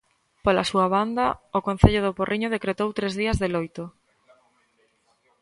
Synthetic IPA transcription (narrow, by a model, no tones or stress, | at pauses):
polasuaβand̪ɐaokon̟θeʎʊð̞ʊporʔiɲoð̞ekɾet̪owt̪ɾezðiɐzðelojt̪o